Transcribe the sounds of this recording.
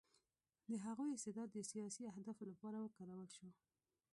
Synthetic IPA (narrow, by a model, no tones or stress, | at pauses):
d̪əɦaɣojɪst̪ɪd̪ɑd̪ːəsijɑsiahd̪ɑflapɑɾawəkaɾawəlʃo